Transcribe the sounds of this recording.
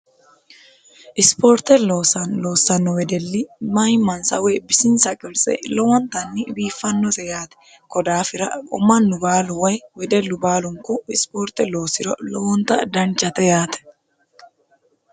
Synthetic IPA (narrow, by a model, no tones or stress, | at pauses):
ʔɪspoːɾt̪ɛloːsɐnloːsːɐnːɔwɛd̪ɛlːɪmɐjmːɐnsɐ̰weːbɪsɪnsɐkʼɪɾsʼɛ̰lɔwɔnt̪ɐnːɪbiːfːɐnːɔt̪ɛjaːt̪ɛ̥ | kɔd̪aːfɪɾɐkʼʊ̰mɐnːʊbaːlʊwɐjwɛd̪ɛlːʊbaːlʊŋkʊɪspoːɾt̪ɛlo̞ːsɪɾɔlɔwɔnt̪ɐd̪ɐnt͡ʃːɐt̪ɛjaːt̪ɛ̥